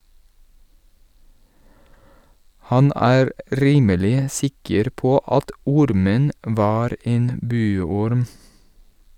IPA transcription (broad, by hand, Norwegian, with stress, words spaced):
ˈhɑn ˈæːɾ ˈʔɾiːməlɪ ˈsɪkəɾ ˈpoː ˈʔɑt ˈɔɾmən ˈʔʋɑːɾ ˈʔeːn ˈbʉːɔɾm